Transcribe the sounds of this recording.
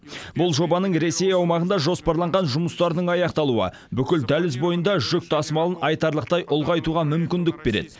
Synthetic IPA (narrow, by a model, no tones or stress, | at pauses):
bʊlˠʒo̞bɑnəɴɾe̞se̞jɑwmɑʁənd̪ɑʒo̞spɑɾlˠɑɴʁɑnʒʊməst̪ɑɾd̪əɴɑjɑqt̪ɑlˠuə̰ | bʏkʲɪld̪ælɪzbo̞jənd̪ɑʒʏk̚ʲt̪ʰɑsmɑlˠənɑjt̪ɑɾlˠəqt̪ɑjʔʊlˠʁɑjt̪uʁɑmʏmkʲɪnd̪ɪk̚be̞ɾe̞̰d̪ɪ